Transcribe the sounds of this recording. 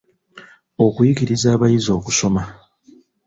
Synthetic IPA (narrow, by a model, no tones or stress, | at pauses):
o̞kujiɡiɾizaːβajizo̞ːkuso̞ma